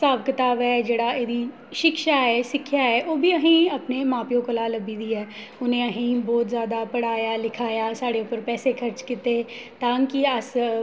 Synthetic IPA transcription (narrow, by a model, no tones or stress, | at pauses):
saːbkɪt̪aːbɛːd͡ʒeːɽaeːd̪i | ʃɪkʃaɦɛːʃɪkʰːjaɦɛʔoːbʱiɐɦĩɐpnemaːpijõkɐlaːlɐbid̪iɛː | ʊnɦẽɐɦĩbɔːt̪zjaːd̪apɐɽaːjalɪkʰaːjaːsaːɽeʊpəɾpɛːsekʰɐɾt͡ʃkɪt̪e | t̪ãːŋkiɐs